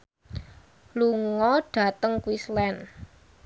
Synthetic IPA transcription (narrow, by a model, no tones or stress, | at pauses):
luŋɔɖ̥a̤t̪əŋkuwislɛn